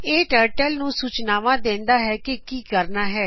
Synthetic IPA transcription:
eːʈəːɾʈəlnũːsuːt͡ʃnaːʋãːd̪ẽːnd̪aːɦɛːkekiːkəɾnaːɦɛː

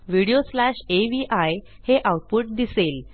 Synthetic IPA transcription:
ʋiɽioslæʂeʋiʔaj | heʔawʈ̚puʈ̚d̪isel

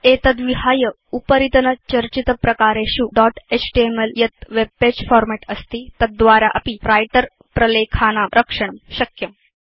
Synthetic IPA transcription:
et̪ɐd̪ʋiɦaːjə | upəɾit̪ənət͡ʃɐɾt͡ɕit̪pɾɐkaːɾeɕuɖɔʈet͡ɕʰʈiemeljɐt̪ʋeb̚ped͡ʑfɔːɾmeʈɐst̪iːt̪ɐt̪̚d̪ʋaːɾaʔɐpiɾajʈəɾ | pɾɐlekʰaːnaːɾʔəkʂəɳ̃mɕɐkjəm

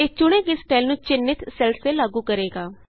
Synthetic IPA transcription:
eːt͡ʃʊɽ̃ẽːɡɪsʈaːɪlnũːt͡ʃɪnːɪt̪sɛlseːlaːɡuːkəɾeːɡaː

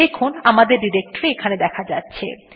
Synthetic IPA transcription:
ekʰunamad̪eɾɖiɾek̚ʈoɾeekʰaned̪ɛkʰad͡ʑatːɕʰḛ

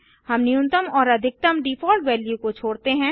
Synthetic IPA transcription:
hɐmnijʊ̃nt̪əmɔːɾɐd̪ʱɪk̚t̪əmɖiːpʰɔːlʈʋɛːljukot͡ʃʰoːɽt̪eɦɛ̃ː

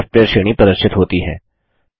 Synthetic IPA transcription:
fpeːəɾʃɪːɽ̃ipɾɐd̪əɾʃɪt̪ɦoːt̪iɦɛ̰ː

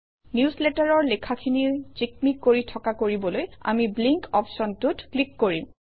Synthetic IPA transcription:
njusletaɹɔɹlɛkʰakʰinit͡ʃik̚mikːoɹitʰɔkakoɹibɔloja̰mibliŋkɔpʰsɔntutklikːoɹim

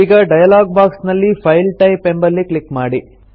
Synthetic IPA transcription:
iːɡɐɖɐjɐlaːɡ̚baːksnɐlːipʰɐjlʈɐjpembɐlːikɭikmaːɽi

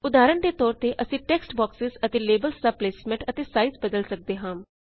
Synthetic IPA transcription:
ʊd̪aːɾəɳd̪eːt̪ɔːɾt̪eːʔəsĩːʈɛːksʈbɔːksɪzət̪eːleːbəlsd̪aːpleːsmɛ̃ɳʈət̪eːsaːizbəd̪əlsək̚d̪eːɦãːm

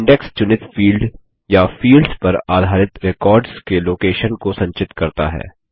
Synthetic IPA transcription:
ɪ̃ɳɖɛkst͡ʃʊnɪʈ̪fiːlɖ | jafiːlɖzpɐɾaːd̪ʱaːɾɪt̪ɾekɔːɾɖskeloːkeːʃənkosɐ̃ɲt͡ʃɪt̪kɐɾt̪a̰ɦɛ̰ː

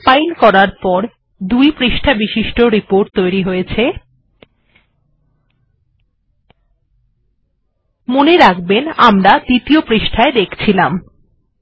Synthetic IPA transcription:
pajlkɔɾaɾpɔɾ | d̪ujpɾiʃʈʰabiʃiʃʈoɾipoɾʈ̚t̪ojɾiɦojet͡ɕʰe | moneɾakbenamɾad̪it̪iopɾiʃʈʰaed̪ekʰt͡ɕʰilam

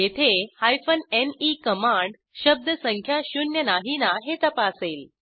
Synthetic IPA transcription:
jet̪ʰehajfənenikəmãɳɖ | ɕəb̚d̪əsəŋkʰjaɕunjənaɦinaɦet̪əpaːseːl

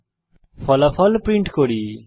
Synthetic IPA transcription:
pʰɔlapʰɔlpɾĩɳʈkoɽi

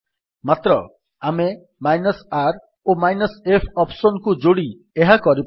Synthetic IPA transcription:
mat̪ɾɔ | ame | majnɔsaɾ | omajnɔsepʰɔpʰsɔnkud͡ʒoɽi | eɦakɔɾip

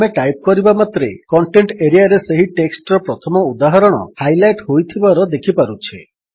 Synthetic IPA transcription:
meʈajp̚kɔɾibamat̪ɾḛkɔɳʈeɳʈeɾiaɾeseɦiʈeksʈɔɾɔpɾɔt̪ʰɔmɔud̪aɦɔɾɔɽ̃ɔ̰hajlajʈɦojt̪ʰibaɾɔd̪ekʰipaɾut͡ʃʰe

